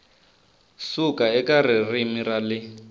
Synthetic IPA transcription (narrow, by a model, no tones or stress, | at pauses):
sukaɛkarɪrimiralɪ